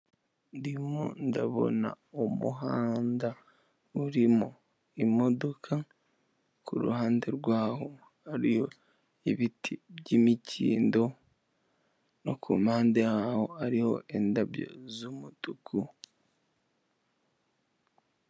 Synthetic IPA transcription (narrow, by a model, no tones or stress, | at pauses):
ndimo̰ndaβo̞̰na̰ | omṵɦaːnda | uɾimo | imo̞do̞kʰa | kuɾṵhaːnde̞ɾɡwaːho | haɾijo̞ | iβitʰibɟimicʰḭːndo̞ | nokʰṵmaːndejaho̞aɾiho̞̰ʔe̞ndaβjo̞̰zumutukʰu